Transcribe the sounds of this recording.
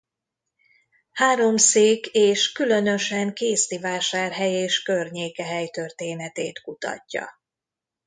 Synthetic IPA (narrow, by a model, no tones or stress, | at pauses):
haːɾo̞mseːkeːʃkylø̞nø̞ʃɛŋkeːst̪ivaːʃaːrɦɛjeːʃkørɲeːkɛɦɛjt̪ørt̪eːnɛt̪eːt̪kut̪ɒ̰cːɒ̰